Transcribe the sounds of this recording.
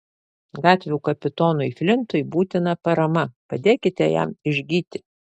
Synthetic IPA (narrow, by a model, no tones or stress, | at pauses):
ɡɑːt̪ʲʋʲuːkɐpʲɪt̪oːnʊɪfʲlʲɪnt̪ʊɪbuːt̪ʲɪnɐpɐɾɐmɐpɐd̪ʲeːkʲɪt̪ʲɛjæ̰mɪʒʲɡʲiːt̪ʲɪ